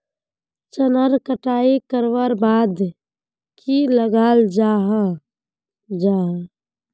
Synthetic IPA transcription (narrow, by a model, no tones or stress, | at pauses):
t͡ʃənəɾkəʈaːikəɾʋəɾbaːd̪ | kʰiləɡaːld͡ʒaɦ | d͡ʒaɦ